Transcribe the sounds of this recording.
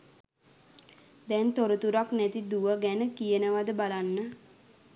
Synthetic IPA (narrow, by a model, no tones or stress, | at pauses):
d̪ɛnt̪oɾət̪uɾaknɛt̪id̪uʋəɡɛnəkijənəʋad̪əbalanːə